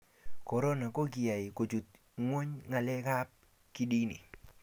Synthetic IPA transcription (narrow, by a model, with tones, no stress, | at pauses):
kɔ˨ɾo˦na˨ko˦ɡi˨a˨ɪ˨ko˨t͡ʃu˨t̪̚ | ŋwo˦ɲŋa˨lɛ˦ka˦p̚ | ki˦di˦nḭ˨